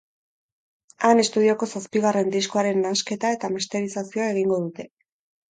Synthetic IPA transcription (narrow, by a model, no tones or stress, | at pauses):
ane̞st̪uð̞io̞ko̞saspiɣare̞nd̪iskoaɾe̞nːaske̞t̪ae̞t̪amist̪e̞ɾisasio̞ae̞ɣiŋɡo̞ðut̪e̞